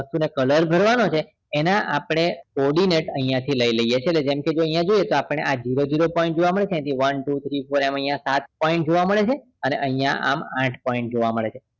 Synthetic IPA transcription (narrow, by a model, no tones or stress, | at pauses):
əst̪unekələɾbʱəɾʋanot͡ʃʰeː | naʔapɽ̃ekɔɾɽineʈəɦĩjãt̪ʰiləiləjet͡ʃʰetled͡ʒemked͡ʒoəɦĩjãd͡ʒojet̪oapəɽ̃eʔad͡ʒiɾod͡ʒiɾopɔĩɳʈ̚d͡ʒoʋaməɭet͡ʃʰẽj̃ãt̪ʰiʋənʈut̪ʰɾifoɾeməɦĩjãsat̪̚pɔĩɳʈ̚d͡ʒoʋaməɭet͡ʃʰe | ənḛʔəɦĩjã̰ʔa̰mãʈʰpɔĩɳʈ̚d͡ʒoʋaməɭet͡ʃʰe